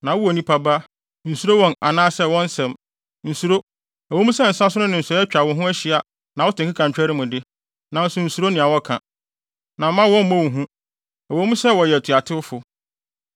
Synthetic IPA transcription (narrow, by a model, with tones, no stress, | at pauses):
nã˨wʊ˦ɔ˨nĩ˦pʰa˦ba˦ | n̩˨su˨ɾo˦wɔ̃˦na̰˨nãː˦sɛ˦wɔ̃˦n˦sɛ̃˨m | n̩˨su˨ɾo˦ | æ˨õ˦mũ˦sɛ˦˨n̩˨sã˦sʊ˦nʊ̃˦nɪ̃˨n̩˨sɛ˨˦ɛ˦t͡ɕᶣa˨wɔ̃˨ɦʊ̃˦æ˦ɕɪ˦a˨ | nã˨wɔ˦tɪ̃˨kɪ˦kʰa˨t͡ɕᶣɛ˦ɾɪ˦mʊ̃˨dɪ˦ | nã˨n̩˦sʊ˨n̩˨su˨ɾo˦nɪ̃˨a˨wɔ˦kʰã̰˨ | nã˨m˦mã˦wɔ̃˦m̩˦mõ˦wu˨ɦũ˦ | æ˨wo˦mũ˦sɛ˦wɔ˨jɛ˨tʰu˨a˨tʰɪ˦ʊ˦fʊ˨